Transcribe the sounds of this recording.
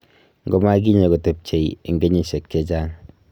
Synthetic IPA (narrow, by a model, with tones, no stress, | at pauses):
ŋɡo˦ma˦ɡi˦ɲe˨ɡo˨te˨p̚t͡ʃe˨ie˨ŋɡe˦ɲi˦se˨kːe˦d͡ʒaː˦ŋ